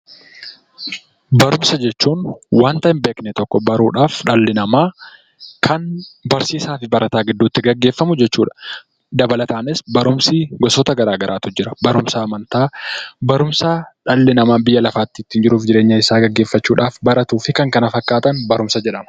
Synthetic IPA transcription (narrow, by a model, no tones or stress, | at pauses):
bɐɾʊmsɐd͡ʒɛt͡ʃːuːnwaːnt̪ɐɪmbeːknɛt̪ɔkːɔbɐɾuːᶑaːfᶑɐlːɪnɐmaː | kʰɐnbɐɾsiːsaːfɪbɐɾɐt̪aːɡɪd̪ːuːt̪ːɪɡɐɡːe̞ːfːɐmʊd͡ʒɛt͡ʃːuːᶑɐ̥ | d̪ɐbɐlɐt̪aːnɪsbɐɾʊmsiɡɔsɔt̪ɐɡɐɾaːɡɐɾʔaːt̪ʊd͡ʒɪɾɐbɐɾʊmsaːmɐnt̪aːbɐɾʊmsaːᶑɐlːɪnɐmaːbɪjːɐlɐfaːt̪ːɪt̪ːɪnd͡ʒɪɾuːfd͡ʒɪɾeːɲːɐɪsaːɡɐɡːeːfːɐt͡ʃːuːᶑaːfbɐɾɐt̪uːfɪkɐŋkɐnɐfɐkːaːt̪ɐnbɐɾʊmsɐd͡ʒɛᶑɐmɐ̥